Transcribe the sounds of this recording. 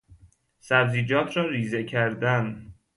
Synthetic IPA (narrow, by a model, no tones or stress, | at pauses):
sæbziːd͡ʒɒːt̪ʰɾɒːɾiːzecʰæɾd̪æn